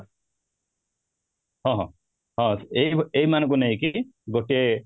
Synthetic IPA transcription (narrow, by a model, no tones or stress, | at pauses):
hɔ̃ɦɔ̰̃ | ɦɔ̃sejejmanɔ̃ŋk̬unejkiɡoʈie